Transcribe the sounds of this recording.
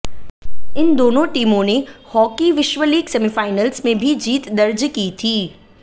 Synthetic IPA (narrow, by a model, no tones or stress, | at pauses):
ɪnd̪oːnõʈiːmõnehɔːkiʋɪʃʋəliːɡsɛmifaːɪnəlzmẽbʱid͡ʒiːt̪d̪ɐɾd͡ʒkit̪ʰiː